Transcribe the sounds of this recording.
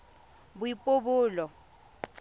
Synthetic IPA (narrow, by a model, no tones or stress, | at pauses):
bʊipʼobʊːlɔ